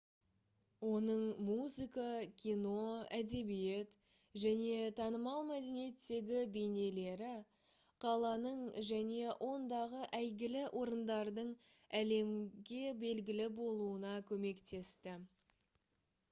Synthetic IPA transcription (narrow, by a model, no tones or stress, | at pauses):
wo̞nəɴmuzɨkɑkʲʰijno̞æd̪e̞bije̞t̪ | ʒæne̞t̪ʰɑnəmɑlˠmæd̪e̞nije̞t̪ːe̞ɡʲɪbe̞jne̞le̞ɾɪ | qʰɑlˠɑnəɴʒæne̞wʔo̞nd̪ɑʁəʔæjɡʲɪlɪʔo̞ɾənd̪ɑɾd̪əɴ | æle̞mɡʲe̞be̞lɡʲɪlɪbo̞lˠuənɑkʲʰɵme̞kt̪e̞st̪ɪ